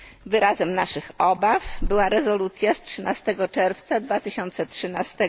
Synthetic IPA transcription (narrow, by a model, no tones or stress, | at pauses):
vɘɾʔazɛmnaʂɘxɔbafbɘwaɾɛzɔlut̪sʲjastʂɘnast̪ɛɡɔt͡ʂɛɾft̪sad̪vat̪ɘɕɔnt̪sɛtʂɘnast̪ɛ